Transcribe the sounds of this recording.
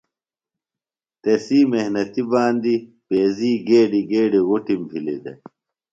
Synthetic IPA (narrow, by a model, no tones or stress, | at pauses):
t̪ɐsiːmehnɐt̪ibaːnd̪i | peːziːɡeːɖiɡeːɖiɣuʈimpʰilid̪ɐ̰